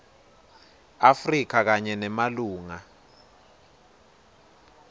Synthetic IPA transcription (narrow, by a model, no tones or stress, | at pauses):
afrik̬ak̬aɲɛnɛmaluːŋa